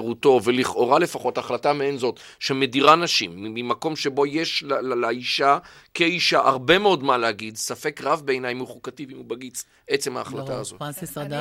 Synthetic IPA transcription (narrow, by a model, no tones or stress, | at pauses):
ʁuto̞ve̞liχʔo̞ʁale̞faχo̞taχlatameenzo̞t | ʃemediʁanaʃimːmimako̞mʃe̞bo̞jeʃllaiʃa | keiʃaʔaʁbe̞meo̞dmalehaɡidsafe̞kʁavbeeːnajmuχukativimubaɡit͡s | ʔe̞t͡sema̰ːχlataazo